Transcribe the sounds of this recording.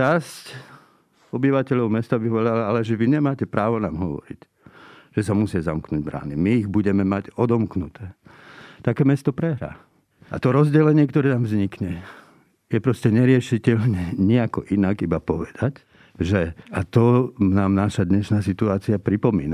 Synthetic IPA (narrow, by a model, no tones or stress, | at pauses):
t͡ʃasc | ɔbiʋacɛʎɔʊmɛst̪abiɦɔʋɔlalaalɛʒɛʋiɲɛmaːcɛpɾaːʋɔnaːmɦɔʋɔ̰ɾḭc | ʒ̥ɛsamusɪazamknuːɟ̚bɾa̰ːnimiːɣbuɟɛmɛmaɟɔd̪ɔmknut̪ɛːt̪akɛːmɛst̪ɔpɾɛɦɾa̰ː | a̰t̪ɔɾɔzɟɛlɛɲɪɛkt̪ɔɾɛːt̪amvzɲikɲɛ | jɛpɾɔscɛɲɛɾɪɛʃicɛʎɲɛɲiakɔʔinaɡibapɔʋɛd̪ac | ʒɛat̪ɔnaːmnaʃad̪ɲɛʃnaːsit̪uaːt͡siapɾipɔmḭːna